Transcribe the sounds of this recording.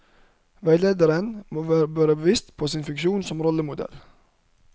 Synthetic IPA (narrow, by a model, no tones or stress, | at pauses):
ʋæɪleːd̪əɾənmoːʋæːɾəbæːɾəbəʋɪst̪pʰoːsɪnfɪŋkʃuːnsɔmɾɔləmʊd̪ɛ̰l